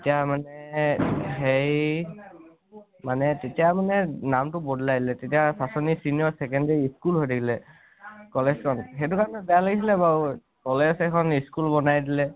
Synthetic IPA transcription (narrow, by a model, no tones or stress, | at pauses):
tetijamanɛ | ɦej | manɛtetijamanɛnamtʊbodʱlajdilɛtetijasasɔnisinijɔɹsɛkɛndɛɹiiskulɦojdikʰilɛ | kɔlezkʰɔnxet̬ʊkaɹɔnɛbɛjalaɡisilɛba | kɔlezɛkʰɔniskulbɔnajdilɛ